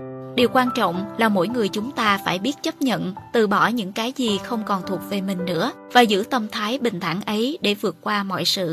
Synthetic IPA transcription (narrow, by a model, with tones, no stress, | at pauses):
ɗi˨˩əwkwaː˧nt͡ɕɔ̰˧˨wŋ͡mlaː˨˩mo̰˧˥jŋɨ˨˩əjt͡ɕʊ˨˦ŋ͡mt̪aː˧faː˧˩jɓi˦˥ət̚t͡ɕə˦˥p̚ɲə̰˧˨nt̪ɨ̰˧˨ɓɔ˧˩ɲɨ̰˧˥ŋkaː˨˦jzi˨˩xə˧wŋ͡mkɔ˨˩nt̪ʰu˨˩ək̚ve˨˩mï˨˩ŋ̟nɨ̰˧˥ə | vaː˨˩zɨ̰˧˥t̪ə˧mt̪ʰaː˨˦jɓï˨˩ŋ̟t̪ʰa˧˩ŋʔə˨˦jɗe˧˩vɨ˨˩ət̚kwaː˧mɔ̰˧˨jsɨ̰˧˨